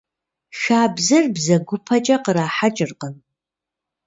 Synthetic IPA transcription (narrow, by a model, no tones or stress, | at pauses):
xaːbzɐrbzɐɡʷʊpʰɐt͡ʃʼɐqəɾaːħat͡ʃʼɪrqən